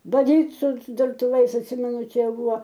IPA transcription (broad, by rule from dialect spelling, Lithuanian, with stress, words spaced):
bɐˈdʲiːt sʊ dʊrtʊˈʋɐɪs ɐtʲˈsʲɪmʲɛnʊ ˈt͡ʃʲɛ ˈbʊʋoː